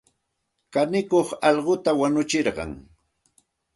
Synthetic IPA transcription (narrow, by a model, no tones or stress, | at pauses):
kanɪkoχɑʎɢot̪awanʊt͡ʃɪɾɢɑ̰ŋ